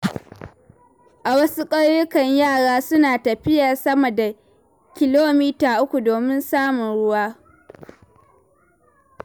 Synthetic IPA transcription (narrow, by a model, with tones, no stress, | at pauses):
ʔa˨wɐ˦su˦kʼɐ˦ɽjʊ˦kɐ˨ɲjaː˦˨ɽaː˦sʊ˦naː˨tɐ˨ɸɪ˦jɐ˨rsɐ˦mɐ˨da˨ | kʲɪ˦loː˦miː˦taː˨ʔʊ˦kʷu˨doː˨mɪ˦nsaː˦mʊ˨nɽʊ˦waː˦